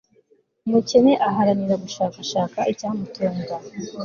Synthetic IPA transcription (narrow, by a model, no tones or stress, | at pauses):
umuce̞ne̞ʔaɦaɾaniɾaɡuʃaːkaʃaːkaicaːmutʰoːnda